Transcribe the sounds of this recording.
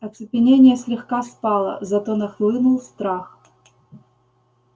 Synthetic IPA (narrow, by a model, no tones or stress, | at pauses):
ɐt̪sɨpʲɪnʲenʲɪjəsʲlʲɪxkaspalˠə̰zɐt̪onɐxlˠɨnʊlˠst̪ɾax